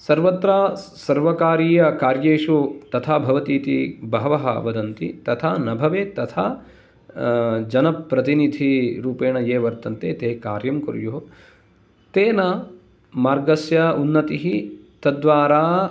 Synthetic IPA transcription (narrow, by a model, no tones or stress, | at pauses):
sɐɾʋɐt̪ɾaːsɐɾʋɐkaːɾiːjɐkaːɾjeːʂut̪ɐt̪ʰaːbʱɐʋɐt̪iːt̪ibɐɦʋɐɦɐɐ̰ʋɐd̪ɐnt̪ḭt̪ɐt̪ʰaːnɐbʱɐʋeːt̪ɐt̪ʰaː | d͡ʒɐnɐpɾɐt̪inid̪ʱiɾuːpeːɳɐjeːʋɐɾt̪ɐnt̪et̪eːkaːɾjɐmkuɾjoɦ | t̪eːnɐ | maːɾɡɐsjɐunːɐt̪iɦit̪ɐd̪ʋaːɾaː